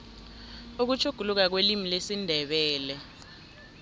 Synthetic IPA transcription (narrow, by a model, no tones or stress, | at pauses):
uk̬ut͡ʃʰuɡ̥ʱuluk̬ak̬welimilesindʱɛɓɛːlɛ